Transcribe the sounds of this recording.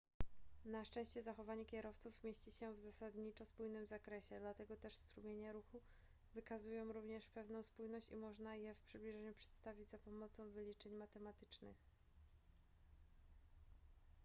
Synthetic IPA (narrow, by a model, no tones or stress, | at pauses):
naʂt͡ʂɛ̃ɕt͡ɕɛzaxɔvaɲɛkʲɛɾɔft̪sufmʲjeɕt͡ɕiɕɛvzasad̪ɲit͡ʂɔspujnɘmzakɾɛɕɛd̪lat̪ɛɡɔt̪ɛʂst̪ɾumʲjeɲɛɾuxu | vɘkazujɔ̃w̃ɾuvɲɛʂpɛvnɔ̃w̃spujnɔɕt͡ɕimɔʐnajɛfpʂɘblʲiʐɛɲupʂɛ̥t̪st̪avʲid͡ʑzapɔmɔt̪sɔ̃w̃vɘlʲit͡ʂɛɲmat̪ɛmat̪ɘ̥t͡ʂnɘ̰x